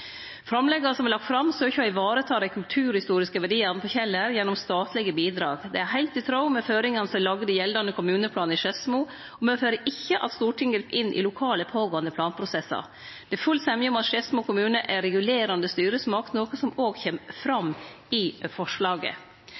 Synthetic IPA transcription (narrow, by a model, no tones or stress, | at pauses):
fɾɑmlɛɡɑɾəsɔmɛlɑkt̪fɾɑmsøːçəɑɪʋɑːɾət̪ʰɑːɾɛkʰʉlt̪ʰʉːɾhɪst̪uːɾɪskəʋæɖiːɑnpʰɔçɛlːəɾjɛnːɔmst̪ɑːt̪ʰlɪɡəbiːd̪ɾɑːɡd̪ɛ̰æhæɪlt̪ɪt̪ʰɾaʊmɛføːɾɪŋɑnsɔlɑɡəd̪əjɛld̪ɑnəkʰʊmʉːnəpʰlɑːnəɪʂɛsmuː | ɔmɛføːɾəʔɪçːəʔɑ̰t̪st̪uːʈɪŋɡɾpʔɪnːʔɪ̰lʊkʰɑːləpʰoːɡoːənəpʰlɑːnpʰɾʊsɛsːɑ̰ | d̪̥ɛfʉlt̪sɛmjəɔmɑt̪ʂɛsmuːkʰʊmʉːnəʔæɾɛɡʉleːɾɑnd̪əst̪yːɾəsmɑknoːkəsɔmoːɡçɛmfɾɑm | ɪfɔʂlɑːɡə̰